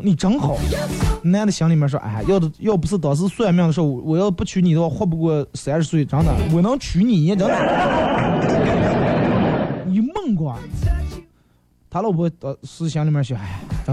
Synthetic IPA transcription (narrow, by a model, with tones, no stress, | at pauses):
ni˨˩ʈ͡ʂɑ˧˥ŋxɑ˨˩˦ʊ˧n˥˧jd̪ə˩ɕjɑ˧˥ŋli˨˩mjɛ˥nʂwɔ̰˥ʔa̰˥˧˩jɑ˥˩ʊjɑ˥˩ʊp̬u˧˥ʂɹ̩˥˩t̪ɑ˨˩ʊs̬ɹ̩˥˧swa˥˧mjɑ˥˩ŋd̪əʂ̩̬˥˩wɔ˧˩wɔ˨˩jɑ˥˩ʊ˧pu˥˩t͡ɕʰy˧˥ni˨˩ə˦wa˥˩xwɔ˥˩p̬u˧kwɔ˥˩s̩˧˥˧ʂɻ̩˧s̬we˥˩ʈ͡ʂɑ˧˥ŋt̪ɑ˨˩˦ŋwɔ˨˩nɤ˧˥ŋt͡ɕʰy˧˥ni˨˩˧jɛ˥˩ʈ͡ʂɑ˧˥ŋt̪ɑ˨˩ŋ˧˥˩ni˨˩mə˥˩ŋkwɑ˥˩ | t̪ʰa˧˥lpʰɔ˥t̪ɑ˨˩ʊsɹ̩˥ɕjɑ˧˥ŋli˨˩mjɛ˥˧˩ʂɔ˧˥a˥˩ʈ͡ʂɑ˧˥